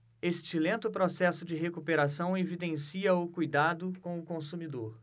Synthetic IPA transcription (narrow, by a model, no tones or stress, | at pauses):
est͡ʃɪlẽnt̪ʊpɾɔsɛsʊd͡ʒɪɦekupeɾasɐ̃w̃evid̪ẽsiɐʊkujd̪ad̪ʊkõw̃ʊkõsumid̪oɾ